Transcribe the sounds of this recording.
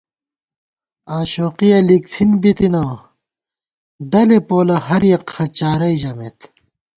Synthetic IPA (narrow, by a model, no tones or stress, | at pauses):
aːɕoːqijɐlik̚t͡sʰinbit̪ina | ɖɐlepoːlɐhɐɾjɐqxɐt͡ɕaːɾɐiʑɐmet̪